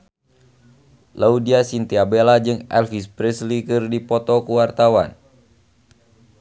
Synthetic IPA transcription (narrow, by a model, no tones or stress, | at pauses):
laudiasint̪iabelad͡ʒɨŋɛ̰lfispɾɛslikɨrdipɔt̪ɔkuwart̪awan